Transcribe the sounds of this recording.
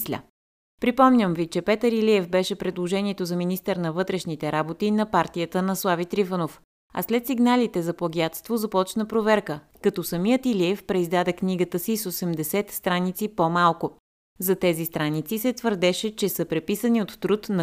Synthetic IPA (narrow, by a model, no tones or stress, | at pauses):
slʲə̰ | pɾipɔmnʲəmvit͡ʃɛpɛt̪əɾiliɛfbɛʃɛpɾɛd̪lˠoʒɛnʲiɛt̪ozɐminist̪ɛɾnɐvɤt̪ɾɛʃnit̪ɛɾabot̪inɐpaɾt̪ijət̪ənɐslˠavit̪ɾifənof | ɐ̰slɛt̪siɡnalit̪ɛzɐplˠɐɡʲjat̪st̪vozɐpɔt͡ʃnəpɾovɛɾkə | kɐt̪ɔsɐmijət̪iliɛfpɾɛizd̪ad̪ɛkniɡət̪əsisosɛmd̪ɛsɛt̪st̪ɾanit̪sipomalˠkʊ | zɐt̪ɛzist̪ɾanit̪sisɛt̪vəɾd̪ɛʃɛt͡ʃɛsəpɾɛpisəniot̪ːɾut̪nɐ